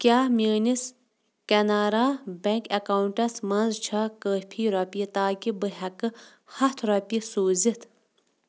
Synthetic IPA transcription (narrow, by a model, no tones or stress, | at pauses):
kʲaːmʲəːnis | kɐnaːɾaːbɐŋkɐkaːwuɳʈɐsmɐnzt͡ʃʰɐkəːpʰiːɾɐpʲit̪aːkibɨɦɐkɨ | hɐt̪ʰɾɐpʲisuːzit̪ʰ